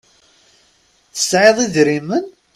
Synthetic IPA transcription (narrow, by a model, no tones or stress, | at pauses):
θə̥sʕeðˤiðɾimən